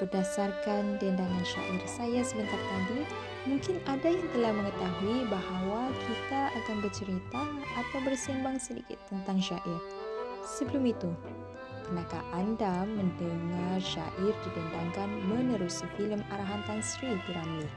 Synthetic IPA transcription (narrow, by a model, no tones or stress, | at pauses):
b̥ərdasarkandɛndaŋanʃa̰ʔɪrsajasəbənt̪art̪adi | mũŋkɪnadajaŋt̪əlahmə̃ŋət̪aɦuibahawakʰit̪aʔakanbərt͡ʃəɾit̪aːp̪awbərsimbaŋsədḭkɪ̰t̪ːənt̪aŋʃaʔɪr | səbəlumit̪u | kənaka̰ʔandamə̃ndəŋarʃa̰ʔɪrdidɛndaŋkanmənəɾusifiləmaɾaɦant̪ansɾitiɾani